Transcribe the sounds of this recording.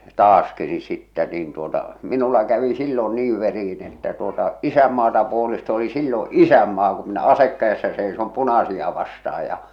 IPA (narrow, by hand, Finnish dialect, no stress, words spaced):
tɑːski ni sitːɛ niːn tuotɑ minulːɑ kæʋi silːo niːʋ ʋeriin etːæ tuotɑ isæmːɑːtɑ puolest oli silːo isæmːɑː ku minæ ɑsek kæesːæ seisom punɑsiɑ ʋɑstɑɑj jɑ